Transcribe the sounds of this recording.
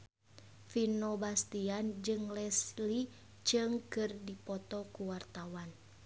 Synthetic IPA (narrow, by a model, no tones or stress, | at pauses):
finobast̪iand͡ʒɨŋlɛsli | t͡ʃɨŋkɨrdipɔt̪ɔkuwart̪awan